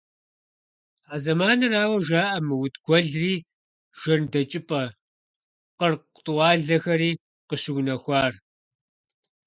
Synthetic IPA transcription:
aːzɐmaːnɨraːwɐʒaːʔɐmɨwʊtɡ̥ʷɔɮriː | ʒ̥ɐrdɐt͡ʃʼɪpʼɐ | qərq | tʼʊwɑːɮɐxɐɾiː | qəɕɪwʷnɐxʷɑːr

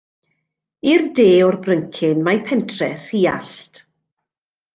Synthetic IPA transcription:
irdeːɔrbrəŋkʰɪnmajpʰɛntʰrɛ̰r̥iːa̰ɬt

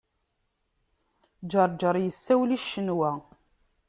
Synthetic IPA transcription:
d͡ʒəɾˤd͡ʒəɾˤjəsːæwliʃːənwæ

